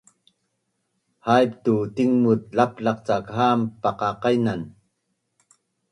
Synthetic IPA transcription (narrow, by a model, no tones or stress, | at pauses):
hajp̚t̪ut̪iŋmut̪̚lap̚laq̚t͡sakɦampaqaqajnan